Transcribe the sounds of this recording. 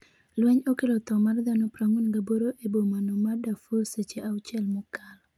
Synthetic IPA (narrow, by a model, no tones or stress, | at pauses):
lwɛɲokelot̪ɔmard̪anopɾaŋunɡaboɾoʔebomanomadafuset͡ʃeʔawt͡ʃɛlmʊkal